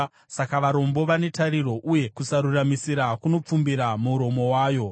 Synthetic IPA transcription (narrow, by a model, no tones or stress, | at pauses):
sakaʋaɾo̞mbo̞ʋane̞taɾiɾo̞ʔuje̞kusaɾuramisiɾakuno̞p͡fumbiɾamuuɾo̞mo̞waːjo̞